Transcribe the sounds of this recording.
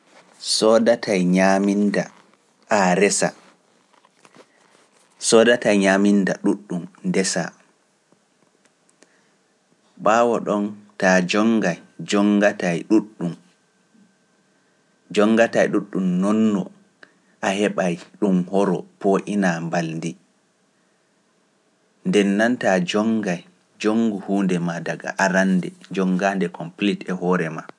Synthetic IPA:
sɔdatʰajɲaminda | ʔaɾɛsa̰ | sɔːdatajɲamindaɗuɗːumdɛsa̰ | ɓaːwɔɗɔntad͡ʒɔŋɡajd͡ʒɔŋɡatajɗuɗːum | d͡ʒɔŋːɡatajɗuɗːumnɔnːɔ̰ | ʔahɛɓajɗumhɔɾɔpoʔinambalndi | ndɛnːantad͡ʒɔŋɡaj | d͡ʒoŋɡuhuːndɛmadaɡa̰ʔaɾandɛd͡ʒɔŋɡaːndɛkɔmplitɛhɔːɾɛma

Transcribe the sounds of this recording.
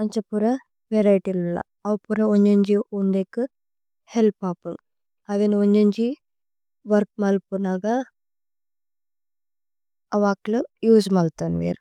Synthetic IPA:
ɐɲt͡ʃɐpuɾɐ | ʋeɾɐjʈilulːa̰ | ɐwpuɾɐoɲd͡ʒeɲd͡ʒiuɳd̪ekɨ | helpaːpuŋ | aɡenioɲd͡ʒɐɲd͡ʒi | ʋɐɾk̚mɐlpunaɡa | ɐʋaːklujuːzmɐlt̪anʋḛɾ

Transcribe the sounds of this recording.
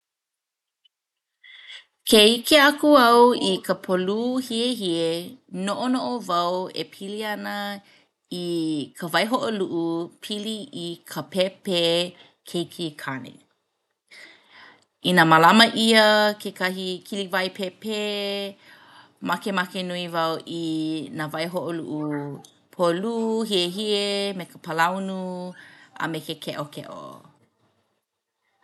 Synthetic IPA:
kʰeikeakuɐwikʰəpʰoluhieɦienoʔonoʔovɐwḛpʰiliɐnə | ikʰəvɐjɦoʔoluʔupʰiliikʰəpʰepe | kʰeikʰikʰanḛ | inamalamɐʔiɐkʰekɐɦikʰilivajpʰepe | makemakenuivawʔinavɐjɦoʔolṵʔu | pʰoluːɦieɦiemekəpəlawnu | ɐ̰mekekʰeʔokʰḛʔo̰

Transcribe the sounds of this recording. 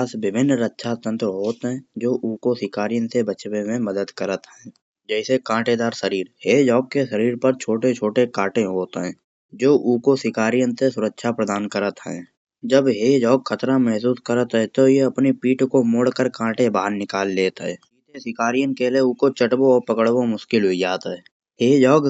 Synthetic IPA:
sbɪbʱɪnːɾətːʃʰat̪ə̃nt̪əɦoːt̪ɦɛ̃d͡ʒoːʔuːkosɪkaːɾijənsebət͡ʃʋẽmẽməd̪əd̪kəɾət̪ɦɛ̃ː | d͡ʒɛːsekãːʈed̪aːɾsəɾiːɾɦeːd͡ʒɔːkkesəɾiːɾpəɾt͡ʃʰoːʈet͡ʃʰoːʈekaːʈẽɦoːt̪ɦɛ̃ː | d͡ʒoːʔuːkosɪkaːɾijənsesʊɾəkʃʰapɾəd̪aːnkəɾət̪ɦɛ̰̃ː | d͡ʒəbɦeːd͡ʒɔːɡxʰət̪ɾamɛɦs̬uːskəɾət̪ɦɛ̃t̪ojeɐpnipiːʈkomoːɽkəɾkãːʈebaːnnɪkaːlːeːt̪ɦɛ̰ːiːt̪esɪkaːɾijənkeleuːkot͡ʃəʈboɔːɾpəkəɽbomʊʃkɪlɦʊid͡ʒaːt̪ɦɛː | ɦeːd͡ʒɔːɡ

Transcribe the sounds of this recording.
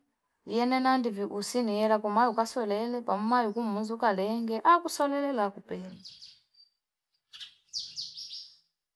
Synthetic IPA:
jɛnɛnandiviʔusinijɛlakɔmajukasɔlɛlɛpamumajukum̩unzukalɛŋɡɛʔakusɔlɛlɛlakupɛla

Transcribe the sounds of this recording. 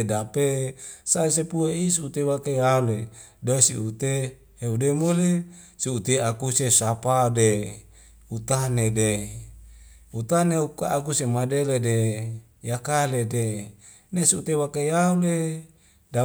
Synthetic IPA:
dapesaes̬epueis̬iut̪ewakejaule | dasiut̪e | heudemole | siut̪eakusesapade | ut̪anede | ut̪aneukaːkusemadelede | jakalede | nesiut̪ewakejaule | da

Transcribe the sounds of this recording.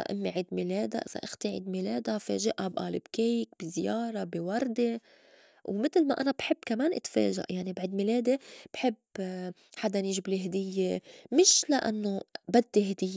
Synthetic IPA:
a̰ʔɪ̰mːiʕiːd̪mileːd̪a̰ʔɪz̥a̰ʔɪxt̪iʕḭːd̪mileːd̪afḛːʒaʔabʔaːlɪbkejk̚bizjɑːɾˤɑbiwɑɾˤd̪e | wmɪt̪lma̰ʔanabħɪbːkameːnʔɪt̪fḛːʒa̰ʔjaʕnibaʕd̪mileːd̪eb̥ħɪb | ħad̪aniːʒbliɦd̪ɪjːemɪʃlaʔa̰nːobad̪ːiɦd̪ɪjːe

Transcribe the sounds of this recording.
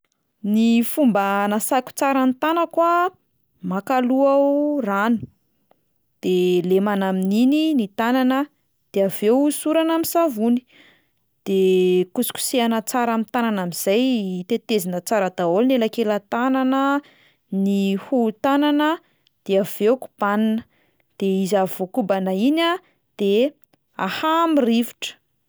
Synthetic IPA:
nifumbanasaku̥t͡saɾant̪anəkwa | makaluaranu̥ | d̪̥elemanaminininit̪ananə | d̪̥eavewsuɾanamisavuni̥ | d̪̥ekusu̥ku̥seanət͡saɾamint̪ananamiz̥ajt̪et̪ezinət͡saɾəd̪aolinelakelət̪ananə | nihut̪ananə | d̪̥eav̥ewku̥b̥aninə̥ | d̪̥eizavokubanəina | d̪̥e | a̰hamiriviʈ͡ʂə̥

